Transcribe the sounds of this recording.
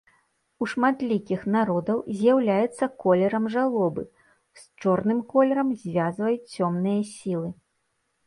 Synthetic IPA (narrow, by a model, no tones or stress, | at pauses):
uʂmat̪lʲikʲixnaɾɔd̪ɐwzʲjawlʲajɛt̪sːɐkɔlʲɛɾɐmʐalˠɔbɨ̰ | st͡ʂɔrnɨmkɔlʲɛɾɐmzʲvʲazvɐjut͡sʲt͡sʲːɔmnɨjɐsʲilˠɨ